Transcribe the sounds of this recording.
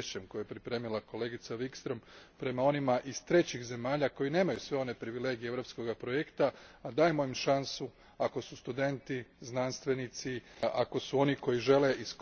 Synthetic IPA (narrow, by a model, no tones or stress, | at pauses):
ʃt͡ɕemko̞jjepɾipɾe̞ːmilako̞le̞ɡit̪saʋikst̪ɾo̞mpɾe̞mao̞nimaʔiz̥t̪ɾe̞t͡ɕixze̞maːʎako̞jine̞ːmajusʋe̞o̞ne̞pɾiʋile̞ɡijeevɾo̞psko̞ɡapɾo̞jekt̪aːd̪aːjemo̞imʃansu | ako̞sust̪ud̪e̞nt̪iznanst̪ʋe̞nit̪siʔako̞suo̞niko̞jiʒe̞le̞ʔisk